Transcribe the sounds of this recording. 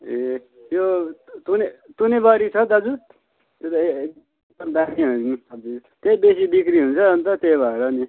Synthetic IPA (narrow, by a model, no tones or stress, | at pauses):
e | jot̪unet̪unebʌɾit͡sʰʌd̪ad͡zu | t̪jot̪ʌeek̚ | d̪ʌmd̪aɾiɦʌʌd͡zit̪ebesibikɾiɦunt͡sʰʌʌnt̪ʌt̪ejbʱʌeɾʌni